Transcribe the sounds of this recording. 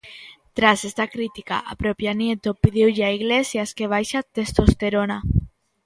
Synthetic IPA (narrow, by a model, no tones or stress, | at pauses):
t̪ɾasest̪akɾit̪ika̰ʔa̰pɾopjanjet̪opiðiwʎaiɣlesjaskeβ̞ajʃat̪est̪ost̪eɾona